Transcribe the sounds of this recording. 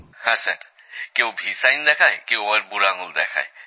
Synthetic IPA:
hãsə̰ɾ | keubʱisajnd̪ɛkʰajkewəɾbuɾaŋuld̪ekʰa̰j

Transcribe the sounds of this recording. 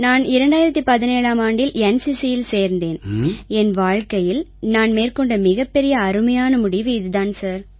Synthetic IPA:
naːnɪɾɐɳɖaːjɪɾɐt̪ːipɐðɪneːɻaːmaːɳɖɪlɛnsɪsɪjɪlseːɾnd̪eːnɛnʋaːɻkɐjɪlnaːnmeːrkɔɳɖɐmɪɣɐpːɛɾɪjɐːɾɯmɐjaːnɐmʊɽɪʋiːðɯðaːnsaːɾ

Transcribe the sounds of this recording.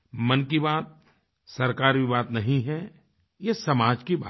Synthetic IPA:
mɐnkibaːt̪̚ | sɐɾkaːɾbibaːt̪nɐɦĩɦɛ | jesɐmaːd͡ʒkibaː

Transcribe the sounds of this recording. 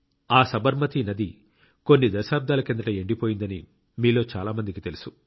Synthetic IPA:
aːsɐbɐɾmɐt̪inɐd̪i | ko̞nːid̪ɐʃaːb̚d̪aːlɐkend̪ɐʈɐeɳɖipo̞ːjind̪ɐni | miːlo̞ːt͡ʃaːlaːmɐnd̪ikit̪e̞lisu

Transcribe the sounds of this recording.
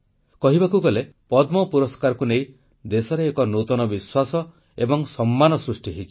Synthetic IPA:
kɔɦibakuɡɔle | pɔd̪mɔpuɾɔskaɾɔkunej | d̪esɔɾeːkɔnot̪ɔnɔbiswasɔ | ebɔŋsɔmːanɔsɾusʈiɦit͡ʃʰi

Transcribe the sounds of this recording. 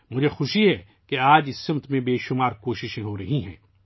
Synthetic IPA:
mʊd͡ʒʱexʊʃiɦɛ | keaːd͡ʒɪsːɪ̃mt̪mẽbeːʃʊmaːɾkoːʃɪʃẽɦoɾɐɦĩɦɛ̰̃ː

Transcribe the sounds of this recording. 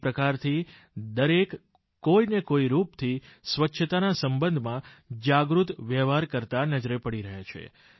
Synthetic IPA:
pɾəkaɾt̪ʰi | d̪əɾek | kːoinekoiɾupt̪ʰisʋətːʃʰət̪anasəmbənd̪ʱmãd͡ʒaɡɾut̪ʋjɛʋaɾkəɾt̪anəd͡ʒɾepəɽiɾəɦat͡ʃʰḛ

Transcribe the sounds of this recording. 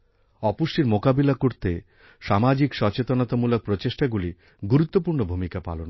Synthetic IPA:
ɔpuʃʈiɾmokabilakoɾt̪e | ʃamad͡ʑikʃɔt͡ɕet̪onot̪amulok̚pɾot͡ɕeʃʈaɡuli | ɡuɾut̪ːopuɾnobʱumikapa̰lon

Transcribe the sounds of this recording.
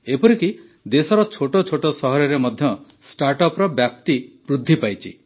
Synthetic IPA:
epɔɾiki | d̪esɔɾɔt͡ʃʰoʈot͡ʃʰoʈosɔɦɔɾɔɾemɔd̪ʱjɔ | sʈaɾʈɔpɾɔbjap̚t̪ipɾud̪ʱːipajt͡ʃʰi

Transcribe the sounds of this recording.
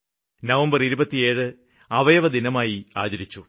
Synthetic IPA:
nɐʋɐmbɐriɾubɐt̪ːije̞ːɻɨ | ɐʋɐjɐʋɐd̪inɐmaːjia̰ːd͡ʑɐɾit͡ɕːu

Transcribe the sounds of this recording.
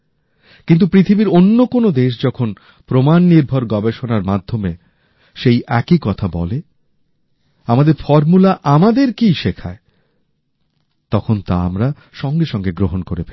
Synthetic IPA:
kint̪̬upɾit̪ʰibiɾonːokonod̪eʃ̬d͡ʑɔkʰon | pɾomanːiɾbʱoɾɡɔbeʃonaɾmad̪ʱːome | ʃejʔɛkikɔt̪ʰabɔle | amad̪eɾfɔɾmulaʔamad̪eɾkiʃekʰa̰e | t̪ɔkʰont̪aamɾa | ʃɔŋɡeʃɔŋɡeɡɾoɦonkoɾepe

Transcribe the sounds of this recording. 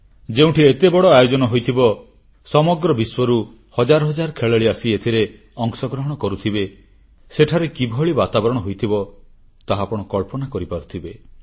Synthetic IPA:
d͡ʒeũʈʰiet̪ebɔɽɔajod͡ʒɔnɔɦojt̪ʰibɔ | sɔmɔɡɾɔbiswɔɾu | hɔd͡ʒaɾɔɦɔd͡ʒaɾkʰeɭeɭiasiet̪ʰiɾe | ɔŋsɔɡɾɔɦɔɽ̃ɔkɔɾut̪ʰibe | seʈʰaɾekibʱɔɭibat̪abɔɾɔɽ̃ɔɦojt̪ʰibɔ | t̪aɦapɔɽ̃ɔkɔɭpɔnakɔɾipaɾut̪ʰibe

